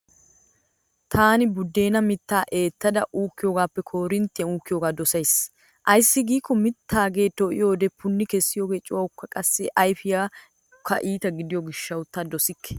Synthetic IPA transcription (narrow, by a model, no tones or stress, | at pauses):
t̪ʰaːnɪbʊd̪ːe̞ːnɐmɪt̪ːaːʔeːt̪ːɐd̪ɐʔuːkːɪjoːɡaːpːɛkʰo̞ːɾɪnt̪ːɪjɐnuːkːɪjoːɡaːd̪ɔsɐjs | ʔɐjsːɪɡiːkːɔmɪt̪ʰːaːɡe̞ːt̪ɔʔɪ̰jo̞ːd̪ɛpʊnːɪkɛsːɪjo̞ːɡe̞ːt͡ʃʼːʊwɐwʊkːɐkʼɐsːɛʔɐjfɪjaː | kʰːɐ̰ʔiːt̪ɐɡɪd̪ɪjɔɡɪʃːɐwʊt̪ːaːd̪ɔsɪkːɛ̥